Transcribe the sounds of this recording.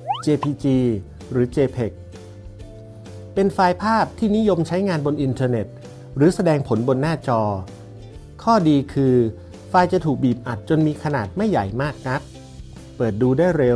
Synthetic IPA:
t͡ɕeː˧pʰiː˧t͡ɕiː˧ | ɾɯː˩˦t͡ɕeː˧pʰe˨˩k̚ | pe˧nfaː˧jpʰaː˥˩p̚t̪ʰiː˥˩ni˦˥jo˧mt͡ɕʰa˦˥jŋaː˧nbo˧nʔi˧nt̪ʰɤː˧ne˨˩t̪̚ | ɾɯː˩˦sa˧dɛː˧ŋpʰo˩˦nbo˧nːaː˥˩t͡ɕɔː˧ | kʰɔː˥˩diː˧kʰɯː˧ | faː˧jt͡ɕa˨˩t̪ʰuː˨˩k̚biː˨˩p̚ʔa˨˩t̪̚t͡ɕo˧nmiː˧kʰa˧naː˨˩t̪̚ma˥˩jːa˨˩jmaː˥˩k̚na˦˥t̪̚ | pɤː˨˩t̪̚duː˧daː˥˩jɾe˧w

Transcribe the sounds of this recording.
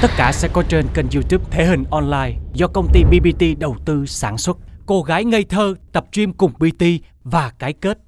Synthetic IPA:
t̪ə˦˥t̚kaː˧˩sɛ̰˧˥kɔ˨˦t͡ɕe˧nkə˨˩nzu˧t̪u˦˥p̚t̪ʰe˨˦ɦï˨˩ŋ̟ʔɔ˧nlaː˧jzɔ˧kə˧wŋ͡mt̪i˧ɓi˧ɓi˧t̪i˧ɗə˨˩wt̪ɨ˧saː˧˩nswə˦˥t̚ko˧ɣaː˨˦jŋə˧jt̪ʰəː˧t̪ə˨˩p̚t͡ɕwi˧əmkʊ˨˩ŋ͡mɓi˧t̪i˧vaː˨˩kaː˨˦jke˦˥t̚

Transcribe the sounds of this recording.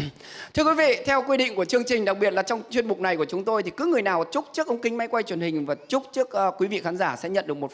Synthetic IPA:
t̪ʰɨ˧əkwi˨˦vḭ˧˨t̪ʰɛ˧wkwi˧ɗḭ̈˧˨ŋ̟ku˧˩ət͡ɕɨ˧əŋt͡ɕï˨˩ŋ̟ɗa˨˩k̚ɓi˨˩ət̚laː˨˩t͡ɕɔ˧wŋ͡mt͡ɕwi˧ənmʊ˨˩k͡p̚na˨˩jku˧˩ət͡ɕʊ˨˦ŋ͡mt̪o˧jt̪ʰi˨˩kɨ˨˦ŋɨ˨˩əjnaː˨˩wt͡ɕʊ˦˥k͡p̚t͡ɕɨ˦˥ək̚ʔə˧ŋ͡mkï˧ŋma˨˦jkwa˧jt͡ɕwə˨˩nhï˨˩ŋ̟vaː˨˩t͡ɕʊ˦˥k͡p̚t͡ɕɨ˦˥ək̚ːkwi˨˦vḭ˧˨xaː˨˦nzaː˧˩sɛ̰˧˥ɲə̰˧˨nɗɨ˨˩ək̚mo˨˩t

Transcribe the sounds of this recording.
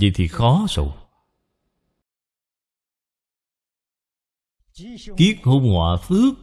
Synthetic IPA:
zḭ˨˩jt̪ʰi˨˩xɔ˨˦so̰˨˩ | ki˦˥ək̚ho˧ŋ͡mhwa̰ː˧˨fɨ˦˥ək̚

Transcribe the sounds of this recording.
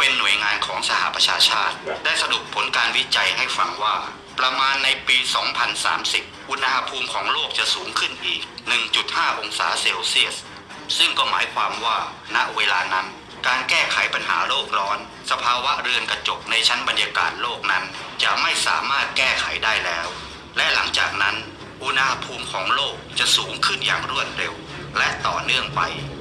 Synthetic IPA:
pe˧nːu˨˩əjŋaː˧nkʰɔː˩˦ŋsa˧ha̰˨˩ʔpɾa˧t͡ɕʰaː˧t͡ɕʰaː˥˩t̪̚daː˥˩jsa˧du˨˩ək̚pʰːo˩˦nkaː˧nwi˦˥t͡ɕa˧jɦa˥˩jfa˧ŋwaː˥˩ | pɾa˧maː˧nːa˧jpiː˧sɔː˩˦ŋpʰa˧nsa̰ː˩˦msi˨˩p̚ʔu˧nha˧ha˧pʰuː˧mkʰɔː˩˦ŋloː˥˩k̚t͡ɕa˨˩ʔsuː˩˦ŋkʰɯ˥˩nʔiː˨˩k̚nɯ˨˩ŋt͡ɕu˨˩t̪̚haː˥˩ʔo˧ŋsa̰ː˩˦seː˧wsi˥˩əs | sɯ˥˩ŋkɔː˥˩ma̰ː˩˦jkʰwaː˧mwaː˥˩ | na˦˥ʔweː˧laː˧na˦˥n | kaː˧nkɛː˥˩kʰa˩˦jpa˧nɦa̰ː˩˦loː˥˩k̚ɾɔː˦˥n | sa˧pʰaː˧wa˦˥ɾɯ˧ənka˧t͡ɕo˨˩k̚na˧jt͡ɕʰa˦˥nba˧njaː˧ka̰ː˨˩t̪̚loː˥˩k̚na˦˥nt͡ɕa˨˩ʔma˥˩jsa̰ː˩˦maː˥˩t̪̚kɛː˥˩kʰa˨˩˦jdaː˥˩jlɛː˦˥w | lɛ˦˥ʔla˩˦ŋt͡ɕa̰ː˨˩k̚na˦˥n | ʔu˧na˧ha˧pʰuː˧mkʰɔː˩˦ŋloː˥˩k̚t͡ɕa˨˩ʔsuː˩˦ŋkʰɯ˥˩njaː˨˩ŋɾu˥˩ən̚ɾe˧w | lɛ˦˥ʔt̪ɔ̰ː˨˩nɯ˥˩əŋpa˧j

